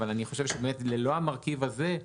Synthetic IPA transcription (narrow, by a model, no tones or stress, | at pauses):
valaniχo̞ʃe̞vʃebemetleloamaʁkivaze̞